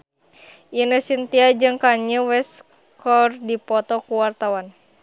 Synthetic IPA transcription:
ʔinəsint̪iad͡ʒɨŋkaɲəwɛs | kɔrdipɔt̪ɔkuwart̪awan

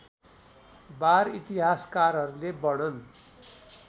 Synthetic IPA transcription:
baɾit̪iɦaskaɾɦʌɾulebʌɽʌn

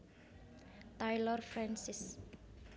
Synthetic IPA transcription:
t̪ajlɔrfrãnsis

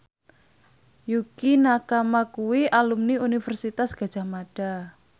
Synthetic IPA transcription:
jukinakamakuwiʔalumniunifərsit̪asɡ̥a̤d̥ʒ̥a̤maɖ̥a

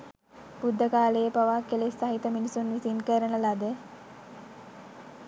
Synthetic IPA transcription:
b̥ud̪ʱːəkaːləjəpaʋaːkːelesaɦit̪əminisunʋisinkəɾənəlad̪ə

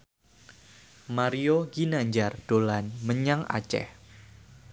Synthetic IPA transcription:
maɾioɡinaɲd͡ʒard̥olanməɲaŋa̰t͡ʃɛ̰h

